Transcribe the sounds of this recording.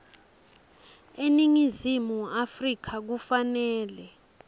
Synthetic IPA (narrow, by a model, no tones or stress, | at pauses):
eniŋizimuafrik̬ʰak̬ufanɛːlɛ